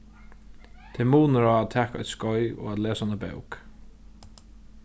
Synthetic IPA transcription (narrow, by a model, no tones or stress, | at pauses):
t̪ʰɛmuːnəɾaːat̪ʰɛːkaɔ̰jt̪skɔʏɔ̰ːɣat̪leːsaanabɛ̰wk